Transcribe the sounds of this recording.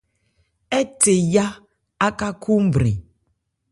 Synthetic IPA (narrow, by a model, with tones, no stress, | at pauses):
ɛ˦te˨ja˦ | a˦ka˦ku˦m̩˦bɾḭ̃˨